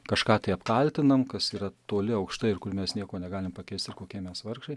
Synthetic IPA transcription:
kɐʃkɑːt̪ɐɪɐpkɐlʲt̪ʲɪnɐmkɐsiːɾɐt̪oːlʲɪɐʊkʃt̪ɐɪɪɾkʊɾmʲɛsnʲiɛkoːnʲɛɡɑːlʲɪmpɐkʲɛɪsʲt̪ɪɾkoːkʲiɛmʲɛsʋɐrkʃɐɪ

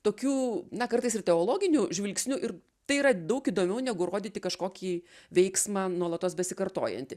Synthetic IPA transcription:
t̪oːkʲuːnɐkɐɾt̪ɐɪsɪrtʲɛoːlˠoːɡʲɪnʲuːʒʲʋʲɪlʲksʲnʲuːʔɪɾ | t̪ɐɪiːɾɐd̪ɐʊkiːd̪oːmʲɛʊnʲɛɡʊɾoːd̪ʲiːt̪ʲɪkɐʃkoːkʲiːʋʲɛɪksmɑːnuɔlˠɐt̪oːsbʲɛsʲɪkɐrt̪o̰ːjɛ̰nʲt̪ʲɪ

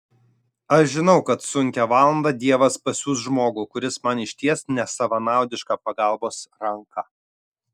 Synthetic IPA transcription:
ɐʃʒʲɪnɒʊkɐt̪sʊŋʲkʲɛʋɑːlˠɐnd̪ɐd̪ʲiɛʋɐspɐsʲuːsʒmoːɡuːkʊɾʲɪsmɐnɪʃʲt̪ʲiɛsnʲɛsɐʋɐnɑˑʊd̪ʲɪʃkɑːpɐɡɐˑlˠboːsɾɐŋkɑ

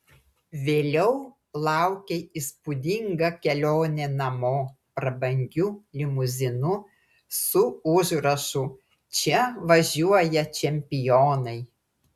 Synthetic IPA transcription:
ʋʲeːlʲɛʊ | lˠɑˑʊkʲeɪspʊd̪ʲɪŋɡɐkʲɛlʲoːnʲenɐmoː | pɾɐbɐŋʲɡʲulʲɪmʊzʲɪnʊ | sʊʊʒɾɐʃʊ | t͡ʃʲɛʋɐʒʲuɔjɛt͡ʃʲɛmʲpʲɪjoːnɐɪ

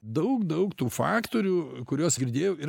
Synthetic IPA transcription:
d̪ɐʊkd̪ɐʊkt̪uːfɑ̰ːkt̪oːɾʲuːkʊɾʲuɔsɡʲɪɾʲd̪ʲeːjoːi

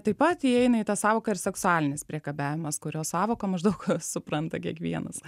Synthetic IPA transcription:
t̪ɐɪpɐt̪jiɛɪnɐit̪ɑsɑːʋoːkɐɪɾsʲɛksʊɑːlʲɪnʲɪspʲɾʲiɛkɐbʲæːʋʲɪmɐskʊɾʲoːsɑːʋoːkɐmɐʒd̪ɐʊksʊpɾɐnt̪ɐkʲiɛkʋʲiɛnɐ̰s

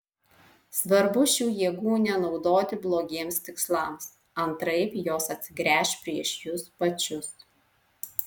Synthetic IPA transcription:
sʋɐɾbʊʃʲuːjiːɡuːnʲɛnɒʊd̪oːt̪ʲɪblˠoːɡʲeːmst̪ʲɪkslˠɐˑms | ɐnt̪ɾɐɪpjoːsɐt̪ʲsʲɪɡɾʲæːʃʲpʲɾʲiɛʃjʊspɐt͡ʃʲʊs

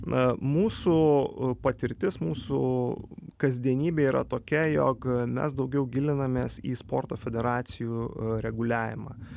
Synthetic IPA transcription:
muːsupɐt̪ʲɪɾʲt̪ʲɪsmuːsu | kɐzʲd̪ʲiɛnʲiːbʲeːiːɾɐ̰t̪oːkʲɛjo̰ːkmʲɛ̰sd̪ɐʊɡʲɛʊɡʲɪlʲɪnɐmʲeːsḭːspoːrt̪oːfʲɛd̪ʲɛɾɑːt̪sʲɪjuːɾʲɛɡʊlʲæːʋʲɪmɑ̰ː

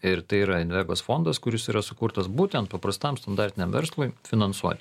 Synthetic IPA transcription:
ɪɾt̪ɐɪiɾɐɪnʋʲɛɡoːsfond̪ɐskʊɾʲɪsiːɾɐsʊkuːɾt̪ɐsbuːt̪ʲɛnt̪̚pɐpɾɐst̪ɐmst̪ɐnd̪ɑɾʲt̪ʲɪnʲɛmʋʲɛ̰ɾslˠʊɪfʲɪnɐnsuɔt̪ʲɪ

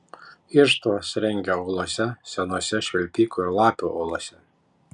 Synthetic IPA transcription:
ɪɾʃt̪osɾʲɛŋʲɡʲɛɔːlˠoɔsʲɛsʲɛnoːsʲɛʃʲʋʲɛlʲpʲiːkolˠɑːpʲuʔɔːlˠɔːsʲɛ

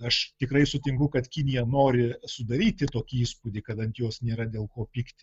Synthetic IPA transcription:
ɐʃt̪ʲɪkrɐɪsʊt̪ʲɪŋkʊkɐt̪kʲɪnʲɪjɛnoːɾʲɪsʊd̪ɐɾʲiːt̪ʲɪt̪oːkʲiiːspʊd̪ʲɪkɐt̪ɐnt̪joːsnʲeːɾɐd̪ʲeːlˠkoːpʲiːktt̪ʲɪ

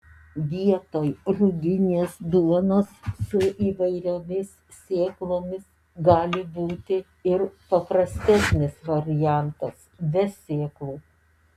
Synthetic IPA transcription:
ʋʲiɛt̪oːjɾʊɡʲɪnʲeːsd̪uɔnoːsːʊʔiːʋɐɪɾʲoːmʲɪs | sʲeːklˠoːmʲɪs | ɡɑːlʲɪbuːt̪ʲɪ | ɪɾpɐpɾɐsʲt̪ʲɛsʲnʲɪsʋɐɾʲɪjæˑnt̪ɐs | ʋʲɛsʲeːklˠuː

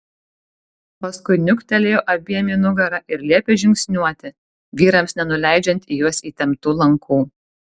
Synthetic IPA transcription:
pɐskʊɪnʲʊkt̪ʲɛlʲeːjoːʔɐbʲiɛmʲiːnʊɡɐɾɐʔɪɾlʲiɛpʲeʒʲɪŋʲksʲnʲuɔt̪ʲɪ | ʋʲiːɾɐmsnʲɛnʊlʲæˑɪd͡ʒʲɛnʲt̪ʲijuɔsiːt̪ʲɛmt̪uːlˠɐŋkʰuː

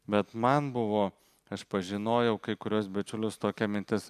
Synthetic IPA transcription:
bʲɛt̪mɐnbʊʋoː | ɐʃpɐʒʲɪnoːjɛʊkɐɪkʊɾʲuɔsbʲɛt͡ʃʲʊlʲʊst̪oːkʲɛmʲɪnʲt̪ʲɪs

